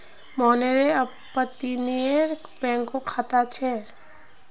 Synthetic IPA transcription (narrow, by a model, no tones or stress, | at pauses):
mɔːneɾeɐ | pət̪ːineɾ | bɛ̃ːŋkokʰaːt̪at͡ʃʰɛ